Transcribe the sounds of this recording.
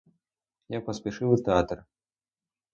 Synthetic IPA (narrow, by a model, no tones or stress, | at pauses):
japɐsʲpʲɛʂɨvɨt̪ɛat̪r